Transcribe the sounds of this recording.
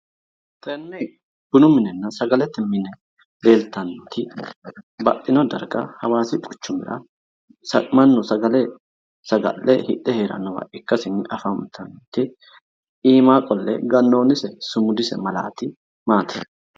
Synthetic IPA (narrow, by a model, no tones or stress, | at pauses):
t̪ɛnːɛ | b̥ʊnʊmɪnɛnːɐsɐɡɐlɛt̪ːɛmɪnɛ | de̞ːlt̪ːɐnt̪ʰɪ | bɐʔ̪ʼːɪnɔd̪ɐ̰ɾɡɐ̰hɐwaːsɪt̪ʼʊ̥t͡ʃːʊmɪ̰ɾɐ̰ | sɐmɐnːɔsɐɡɐlɛ | sɐɡɐ̰lːɛhɪ̰ʔːɛheːɾɐ̰nːɔwɐ̰ʔɪkːɐsɪnːɪʔɐfɐmt̪ʰɐnt̪ɪ | iːmaːkʼɔlːɛ̰ɡɐnːo̞ːnɪsɛsʊmʊd̪ɪsɛ̰mɐla̰ːt̪ɪ | maːt̪ʰḛːd